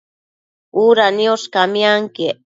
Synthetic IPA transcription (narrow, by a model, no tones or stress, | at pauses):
uɾanioskamijaŋke